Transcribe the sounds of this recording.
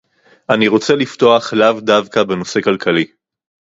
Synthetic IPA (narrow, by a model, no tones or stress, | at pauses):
ʔaniʁo̞t͡se̞lifto̞aχlavdavkabe̞no̞se̞kalkʰali